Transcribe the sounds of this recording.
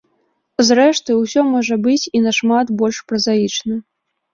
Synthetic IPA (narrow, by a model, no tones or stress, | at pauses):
zrɛʂt̪ɨwsʲɔmɔʐɐbɨt͡sʲinɐʂmat̪bɔlʲʂpɾɐzajit͡ʂnɐ